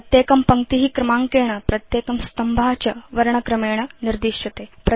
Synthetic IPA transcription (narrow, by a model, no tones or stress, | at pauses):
t̪jeːkɐmpɐŋ̚t̪iɦikɾɐmaːŋkeːɳ̃ɐpɾɐt̪jeːkɐmst̪ɐmbʱaːt͡ʃɐʋɐɾɐɳɐkɾɐmeːɳ̃ɐniɾd̪iːʂɐt̪eːpɾɐ